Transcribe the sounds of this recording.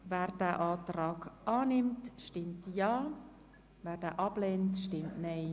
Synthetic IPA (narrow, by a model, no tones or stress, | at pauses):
vɛːɾd̥æːʔɑːtɾɑːkʔɑːnɪmtʃtɪmtjɑː | væːɾdɛːʔɑb̥leːntʃtɪmtnɛɪ